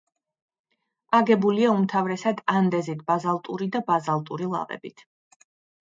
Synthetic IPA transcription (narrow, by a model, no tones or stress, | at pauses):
aɡɛbuliaumt̪ʰavɾɛsad̪and̪ɛzit̪ʰb̥azalˠt̪ʼuɾid̪abazalˠt̪ʼuɾilˠa̰ʁɛ̰bit̪ʰ